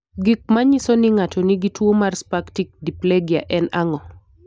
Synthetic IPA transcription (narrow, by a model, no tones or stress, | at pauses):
ɡik̚maɲisonɪŋatɔniɡitwomarspaktik̚dipleɡja̰ʔɛnaŋɔ